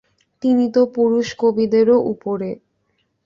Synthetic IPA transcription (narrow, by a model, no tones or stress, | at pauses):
t̪init̪opuɾuʃkobid̪eɾoʔupoɾe